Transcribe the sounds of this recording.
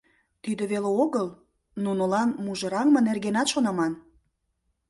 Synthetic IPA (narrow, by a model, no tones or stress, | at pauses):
t̪yd̪əβeleoɣəl | nunəlɑnmuʒɤ̆ɾɑŋmənerɣenɑt̪ʃonɑmɑn